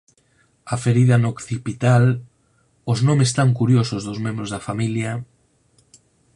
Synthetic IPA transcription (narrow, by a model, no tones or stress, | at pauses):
afeɾiðɐnokθipit̪al | oznomest̪aŋkuɾjosozðozmẽmbɾozðɐfamilja